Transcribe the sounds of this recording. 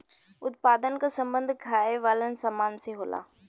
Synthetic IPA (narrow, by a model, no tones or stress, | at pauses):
ʊt̪̚paːd̪ənkasɐ̃mbə̃nd̪ʱkʰaːeʋaːlənɪ̆saːmaːnseɦoːla̰ː